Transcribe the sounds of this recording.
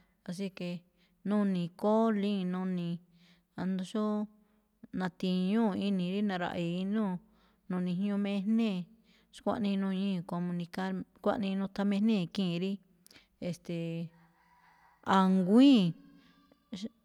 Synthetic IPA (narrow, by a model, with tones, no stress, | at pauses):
a˧s̬i˦ke˧ | nũ˦nĩ˧˨ko˦lĩ˦˧nũ˧nĩ˧ | a˧nd̪õ˧ʃo˦ | nã˧t̪ĩ˧ɲũ˦˧i˧nĩ˧ɾi˦nã˧ɾa̰˧ʔi˧˦nũ˦˨ | nũ˧nĩ˧˨ɲ˦ũ˧mẽ˦˧˦hnẽ˦˨ | ʃkʷa̰˦ʔnĩ˧nũ˧ɲĩ˦˨˧ko˧mũ˧nĩ˧ka˦ɾkʷa̰˦ʔnĩ˧nũ˧t̪ʰa˧mẽ˧nẽ˦˨kĩ˦˨˧ɾi˦ | e˧st̪e˨ | a˨ŋɡʷĩː˦